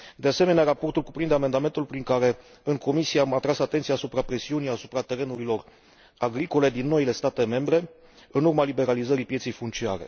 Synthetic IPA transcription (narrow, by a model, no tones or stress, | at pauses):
d̪e̞ase̞me̞neaɾapo̞rt̪ulkupɾind̪eame̞nd̪ame̞nt̪ulpɾiŋkaɾe̞ | ɨŋko̞misieamat̪ɾasat̪et̪siaːsupɾapɾe̞siunijasupɾat̪e̞ɾe̞nuɾilo̞r | aɡɾiko̞le̞d̪inːo̞ile̞st̪at̪e̞me̞mbɾe̞ | ɨnurmalibe̞ɾalizəɾipje̞t̪sejfunt̪t͡ʃia̰ɾe̞̰